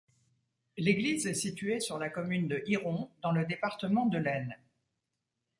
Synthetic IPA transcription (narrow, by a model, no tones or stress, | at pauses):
leɡlizɛsit̪ɥesyʁlakɔmynd̪əʔiʁɔ̃d̪ɑ̃ləd̪epaʁt̪əmɑ̃d̪əlɛn